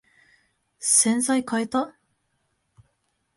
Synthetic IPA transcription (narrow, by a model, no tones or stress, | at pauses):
sẽ̞nzaikʰaet̪a